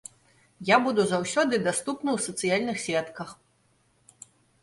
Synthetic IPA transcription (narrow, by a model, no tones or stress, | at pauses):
jabud̪uzawsʲɔd̪ɨd̪ast̪upnɐwsɐt̪sɨjalʲnɨxsʲɛt̪kɐx